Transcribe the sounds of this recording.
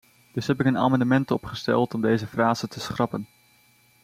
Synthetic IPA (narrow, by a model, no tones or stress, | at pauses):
d̥ɵsɦɛpɪkəna̰ːmɑndəmɛntɔpχəstɛ̰lˠtɔmdejzəfraːzətəsχrɑpən